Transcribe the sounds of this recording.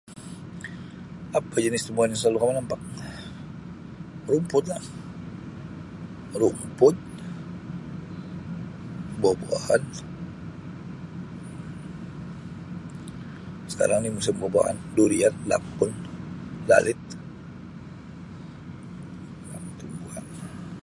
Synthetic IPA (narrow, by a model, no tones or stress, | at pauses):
apad͡ʒənɪst̪əmuanaŋslalukamanampak̚ | rumpʊt̪̚lah | rumpʊt̪̚ | boboa̰han | sə̥ka̰ɾaŋnimus̬ɪmboba̰ʔa̰nduɾianla̰pʊnla̰lɪt̪̚ | namt̪umbuhan